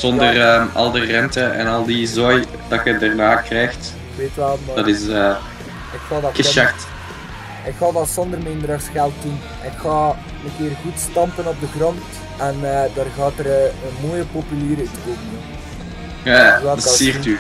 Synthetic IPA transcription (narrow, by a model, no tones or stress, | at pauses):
z̥ɔndərəːɑ̰lˠdərɛntəɛ̰nɑlˠdizoj | d̥ɑtxədaːrnaːkrɛjxt | ɪkʋeːtyʋɛlˠmːdɑtɪsə | ɪkxaːdɑtkɪʃakt | ɪkxɑːdɑtsɔndərmɪndəɾərsxɛlˠt̚dun | ɛnɪkxaː | məkɪːrɣutstɑmpənɔb̚dəɣrɑnt | ɛnːdaːrɣaːtərənmoːjəpopyliːɾetkoːmənə | aʋaːdəsiːry